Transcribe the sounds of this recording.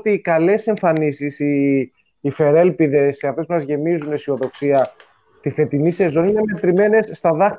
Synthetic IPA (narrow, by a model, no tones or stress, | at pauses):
t̪iːkɐle̞se̞ɱfɐnisisiː | fe̞ɾe̞lpiðe̞sːeɐft̪e̞spumɐzʝe̞mizunesio̞ðo̞ksiɐ | st̪iθe̞t̪inise̞zo̞niinemet̪ɾime̞ne̞sːt̪ɐðɐx